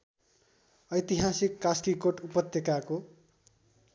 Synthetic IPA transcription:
ʌjt̪iɦasikːaskikoʈupʌt̪ːjekako

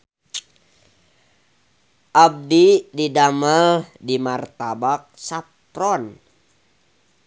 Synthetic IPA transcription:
ʔab̚dididaməldimart̪abak̚sap̚t̪ɾɔn

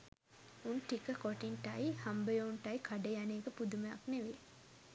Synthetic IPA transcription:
unʈikəkoʈinʈɐjhɐmbəjouɳʈɐjkʰɐɖejaneːɡəpud̪umejɐ̰kneʋe

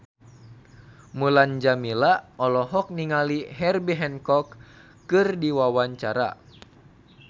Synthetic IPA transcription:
muland͡ʒamilaɔlɔɦɔk̚niŋaliɦɛrbiɦɛnkɔkː | ɨrdiwawaɲt͡ʃaɾa̰

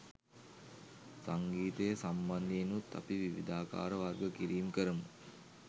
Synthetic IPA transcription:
saŋɡiːt̪əjəsamband̪iːnut̪ːa̰piʋiʋḭd̪aːka̰ːɾəʋarɡəkiɾiːmkəɾəmu

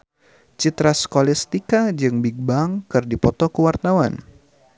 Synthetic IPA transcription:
t͡ʃit̪ɾaskolist̪ikad͡ʒɨŋbiɡ̚baŋkɨrdipɔt̪ɔkəwart̪awan

